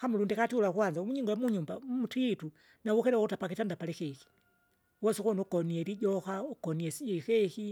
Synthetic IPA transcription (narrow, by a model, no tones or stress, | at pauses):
xamulundikatiulakwanzaumuɲiŋɡɔjamuɲumbamutiitu | nawukɛɾɛwkutapakitandapalɛxɛxi̥ | wɔsukunukɔniɛɾiɟɔxaukɔniɛsiɛxɛki